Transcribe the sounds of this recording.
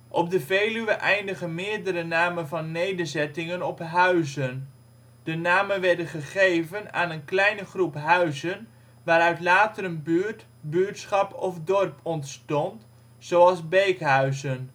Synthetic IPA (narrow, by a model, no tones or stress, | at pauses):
ʔɔb̚dəvejlyəʔɛjndəχənmɪːɹdəɾənaːmənvɑnːejdəɹzɛtɪŋənɔpɦœɥzən | d̥ənaːmənʋɛɹdənχəχejvəna̰ːnənklɛjnəχrupɦœɥzən | ʋaːɾœɥtlaːtəɾənbyːɹt | byːɹtsχɑpʰɔfdɔrpʰɔntstɔnt | zowɑlˠzbejkɦœɥzən